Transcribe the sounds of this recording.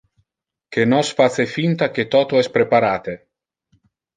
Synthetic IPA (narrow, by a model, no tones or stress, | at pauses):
k̟enɔsfat̪sefint̪ak̟et̪ɔːt̪oɛspɾepaɾaːt̪e